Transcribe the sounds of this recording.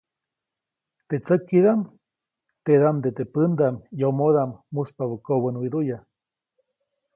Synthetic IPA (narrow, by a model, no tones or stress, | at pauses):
t̪et͡səkːiðam | t̪eðamd̪et̪epɨnd̪amjomoðamːuspaβukoβənwid̪uja